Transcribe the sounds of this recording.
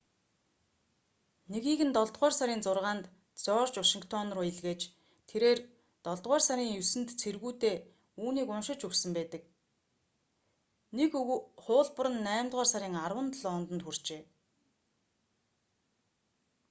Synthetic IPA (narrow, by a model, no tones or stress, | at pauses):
neɣiːɣɘ̆nt̪ɔɮt̪ʁœːrsaɾiːnt͡sʊrʁaːnt̪ | t͡sɔːrt͡ɕwaʃiŋkʰt̪ʰɔnrʊːeɮɣeːt͡ɕ | t̪ʰeɾeːr | t̪ɔɮt̪ʁɔːrsaɾʲiːŋjusɘ̆nt̪t͡sʰerɣuːt̪eː | uːniːkʊnʃɪ̆t͡ɕɵwsɘ̆mpæːt̪ə̆k̚ | nekχʊːɮpə̆ɾə̆nːæːmt̪ʁɔːrsaɾʲiːŋarwə̆nt̪əɮɔnt̪ə̆nt̪xur̥t͡ɕeː